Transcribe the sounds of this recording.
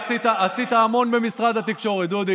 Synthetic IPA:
sit̪aːsit̪aːmo̞nbe̞misʁad̪hat̪ikʃo̞ʁet̪d̪ud̪i

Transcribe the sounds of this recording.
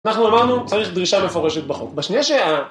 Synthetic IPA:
anaχnuamaʁnut͡saʁiχd̪ʁiʃamefo̞ʁeʃet̪̚baχo̰kbaʃnijaʃea

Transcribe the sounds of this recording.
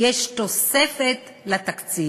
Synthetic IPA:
eʃt̪osefet̪ | lat̪akt͡si

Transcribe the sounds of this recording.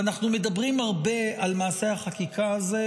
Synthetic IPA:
anaχnume̞d̪abʁimhaʁbe̞almaːse̞haχakikʰaːze

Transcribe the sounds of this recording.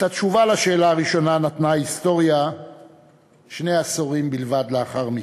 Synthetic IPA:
t̪at̪ʃuvalaʃe̞ːlaːʁiʃo̞nanat̪naist̪o̞ʁja | ʃne̞asoʁimbilvad̪leaχaʁmi

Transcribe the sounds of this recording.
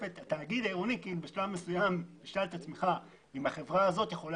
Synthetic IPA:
et̪at̪aːɡid̪aiʁonikiːlubeʃlavme̞sujambeʃalt̪at͡smeχa | imaχe̞vʁaazo̞t̪jeχo̞l

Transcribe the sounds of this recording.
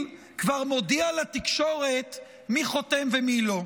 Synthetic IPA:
kvaʁmo̞dialat̪ikʃo̞ʁe̞t̪ | miχo̞temvemilo̞

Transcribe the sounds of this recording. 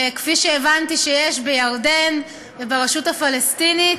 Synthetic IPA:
kfiʃeːvantiʃejeʃbejaʁden | vebaʁeʃutafalestinit

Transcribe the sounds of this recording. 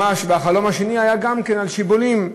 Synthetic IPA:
aʃveaχalo̞mhaʃe̞niajaɡamkenalʃibolim

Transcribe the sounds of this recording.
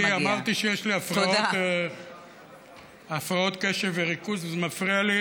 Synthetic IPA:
amaʁt̪iʃejeʃliafʁaot̪ | afʁao̞t̪keʃeveʁikuzazmafʁiali

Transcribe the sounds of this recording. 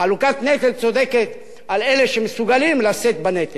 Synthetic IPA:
alukat̪net̪elt͡so̞d̪e̞ke̞t̪ | ale̞leʃemesuɡalimlaset̪̚banet̪e

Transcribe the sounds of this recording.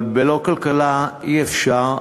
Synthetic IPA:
bɛlokalkalajɛfʃa

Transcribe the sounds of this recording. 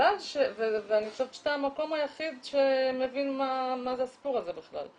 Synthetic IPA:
alʃeveveaniʃevʃt̪amako̞majaχid̪ʃemevinmamazeasi̥puʁaze̞biχla̰l

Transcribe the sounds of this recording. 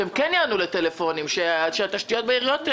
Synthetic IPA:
emkɛnjaːnulet̪elefo̞nimʃeʃeat̪aʃt̪ijo̞t̪̚beiʁijo̞t̪

